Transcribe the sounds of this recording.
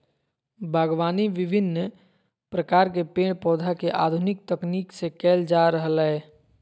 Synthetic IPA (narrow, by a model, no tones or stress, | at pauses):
bʱəɡwaːniʋɪbʱɪnː | pɾəkaːɾk̬epẽːɽpɔːd̪ʱakeʔa̰ːd̪ʱʊnɪk̚t̪əkniːksekɛːld͡ʒaɾəɦəlɦɛ